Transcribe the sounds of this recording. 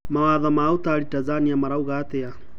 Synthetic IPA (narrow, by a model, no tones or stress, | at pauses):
mawaðɔmaut̪alitazaniamaɾauɣat̪ɛa